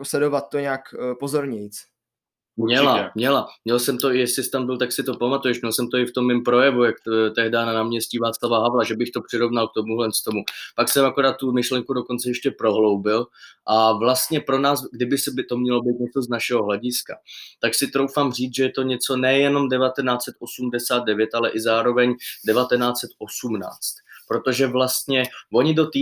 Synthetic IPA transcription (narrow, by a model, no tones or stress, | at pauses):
oslɛdovat̪̚ːoɲɛakpozoɾɲɛjit͡s | mɲɛamɲɛlamɲɛlsɛmt̪oɪjɛsɪst̪ambɪlt̪aksɪt̪o̞pamat̪ujɛʃmɲɛlsɛmt̪o̞ɪft̪o̞mːɪmpɾo̞jɛvujakt̪ɛɦdaːnanaːmɲɛsciːvaːt͡slavaɦavlaʒɛbɪxt̪o̞pr̥ɪɾo̞vnalk̚t̪o̞muɦlɛnst̪o̞mupaksɛmako̞ɾaːt̪ːumɪʃlɛŋkudoko̞nt͡sɛjɛʃcɛpɾo̞ɦlo̞wbɪlʔavlast̪ɲɛpɾo̞naːsɡdɪbɪsɛbɪt̪o̞mɲɛlo̞bijt̪̚ɲɛt͡so̞znaʃɛɦo̞ɦlaɟɪska̰t̪aksɪt̪ɾo̞wfamr̝iːt͡sʒɛjɛt̪o̞ɲɛt͡so̞nɛjɛno̞mdɛvat̪ɛnaːt͡sɛt̪ʔosumdɛsaːtd̪̚dɛvjɛt̪ʔalɛʔɪzaːɾo̞vɛɲdɛvat̪ɛnaːt͡sɛt̪ʔo̞sumna̰ːt͡st̪̚pɾo̞t̪o̞ʒɛvlast̪ɲɛvo̞ɲɪdot̪iː